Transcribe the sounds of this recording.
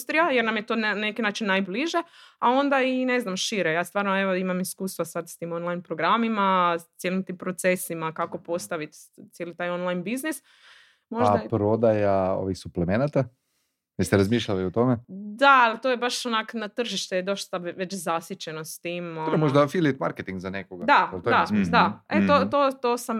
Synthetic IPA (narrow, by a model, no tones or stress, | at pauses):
st̪ɾijajeɾnamjet̪onnnekinaːt͡ʃinːajbliʒeao̞nd̪aine̞znamʃiɾejaːst̪ʋaːɾnoeʋo̞imamiskuːst̪ʋasad̪st̪imonlajnpɾoɡɾamimat̪sjelimt̪impɾot̪se̞simakako̞po̞st̪aʋit̪t̪sjelit̪aːjonlajnbiznis | moaapɾo̞d̪ajao̰ʋixsuplemenat̪a | ʋist̪eɾazmiːʃʎaliot̪o̞med̪aalit̪oːjebaʃonaknat̪r̩ʒiʃt̪ed̪oʃst̪aʋet͡ɕzasjit͡ɕenost̪iːmoɾmoʒd̪afilit̪ma̰ɾket̪iŋɡzanekoɡad̪alt̪oad̪aet̪ot̪ot̪oːsam